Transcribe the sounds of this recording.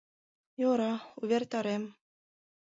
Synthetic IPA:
joɾɑuβʲert̪ɑɾem

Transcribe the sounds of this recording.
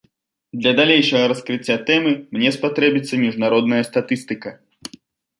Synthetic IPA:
d̪lʲɐd̪alʲejʂɐɣɐɾɐskɾɨt͡sʲːat̪ɛmɨmnʲɛspat̪ɾɛbʲit̪sːɐmʲiʐnaɾɔd̪nɐjɐst̪at̪ɨst̪ɨkɐ

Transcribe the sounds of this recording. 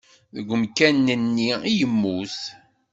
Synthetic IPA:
ðəɡʷəmkænːənːiijəmːuθ

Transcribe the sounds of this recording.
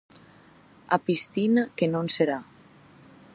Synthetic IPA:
apist̪inakenonseɾa

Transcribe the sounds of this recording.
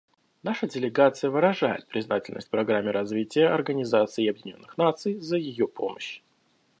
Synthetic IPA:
naʂədʲɪlʲɪɡat̪sɨjəvɨɾɐʐajɪ̰t̪̚pɾʲɪznatʲɪlʲnəsʲtʲpɾɐɡɾamʲːɪɾɐzvʲitʲɪjəʔɐrɡənʲɪzat̪sɨɪɐbjɪnʲo̞nːɨxnat̪sɨjzəjɪjopʰoməɕ

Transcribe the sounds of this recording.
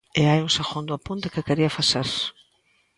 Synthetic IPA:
eajũsaxond̪ʊapunt̪ɪ̥kɪkeɾiɐfaseɾs

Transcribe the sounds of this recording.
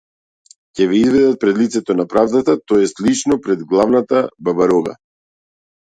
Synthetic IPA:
cɛvɛizvɛd̪at̪̚pɾɛd̪lit̪sɛt̪ɔnapɾavd̪at̪at̪ɔɛslit͡ʃnɔpɾɛd̪ɡlˠavnat̪ababaɾɔɡa̰

